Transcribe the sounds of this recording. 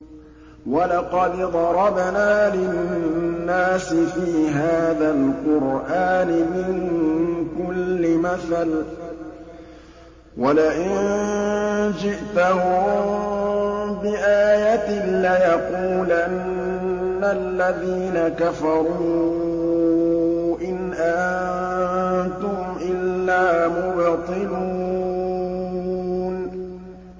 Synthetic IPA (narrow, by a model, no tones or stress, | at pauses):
walɑqɑd̪d̪ˤɑɾˤɑbnaːlɪː | aːsɪfiːɦaːðalqʊɾʔaːnɪmɪŋkʊlːɪmaθal | walaʔɪnn | d͡ʒɪʔt̪ahʊmm | bɪʔaːjat̪ɪlajɑquːla | alːaðiːnakafɑɾˤuː | ʔɪnʔa | nt̪ʊhʊmʔɪlːaːmʊbt̪ˤɨlu | n